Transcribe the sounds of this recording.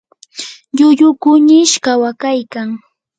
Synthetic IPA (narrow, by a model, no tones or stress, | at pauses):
ʎʊʎʊkʊɲɪʃkawakajkaŋ